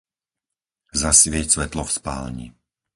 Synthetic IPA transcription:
zasʋɪɛcsʋɛt̪lɔfspa̰ːlɲḭ

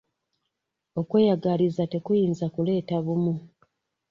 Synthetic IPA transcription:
o̞kwe̞ːjaɡalizate̞kujiːnzakule̞ːtaβumu

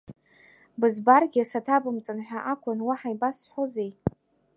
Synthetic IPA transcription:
bɨzbarɡʲɪasatʰabɨmt͡sʼanħʷᶣaʔakʷʰʊnwaħajbasħʷozej

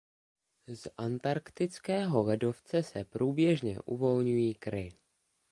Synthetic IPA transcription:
zʔant̪aɾkt̪ɪt͡skɛːɦo̞lɛdo̞ft͡sɛsɛpɾuːbjɛʒɲɛ̰ʔṵvo̞lɲujiːkɾɪ

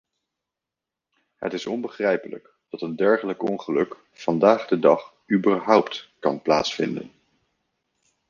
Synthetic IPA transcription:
ɦə̰tɪsɔnbəχrɛjpələ̰k | d̥ɑtəndɛɹχələkɔŋχəlɵk | fɑndaːχdədɑχ | ybəɹɦɔwptkɑnpla̰ːtsfɪndə̰n

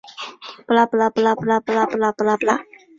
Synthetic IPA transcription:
plaplaplaplapəlaplaplapla

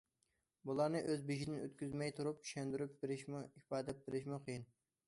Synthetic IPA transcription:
bulˠɑɾnɨʔøzbiʃid̪ɪnø̰t̪kʲyzmɛjt̪ʰuɾup̚t͡ʃʰy̥ʃɛnd̪yɾyp̚beɾɪʃmipɑːd̪ɛp̚beɾɪʃmʊqʰəjin

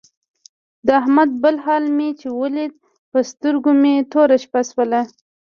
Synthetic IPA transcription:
d̪əahmad̪̚bəlhɑlmet͡ʃewəled̪̚ | pəst̪əɾɡomet̪oɾaʃpaswəla

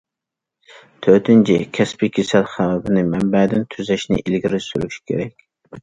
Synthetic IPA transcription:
t̪ʰøt̪ɪnt͡ʃʰḭkʲʰɛspikʲʰesælχæwɛbɪnɪmɛmbɛd̪ɪnt̪ʰyzɛʃnɪ̰ʔilɡʲiɾɪsyɾyʃi̥kʲʰḛɾɛkʲ

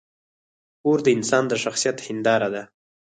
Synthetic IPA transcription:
oɾd̪əɪnsɑnd̪əʃaxsijat̪hɪnd̪ɑɾad̪a

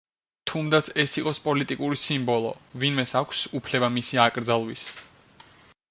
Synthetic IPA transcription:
t̪ʰumd̪at̪sʰɛsiqʼɔspʼɔlit̪ʼikʼuɾisimbɔlˠɔ̰vinmɛsakʷʰsupʰlɛbamisiakʼɾd̪zalˠwis

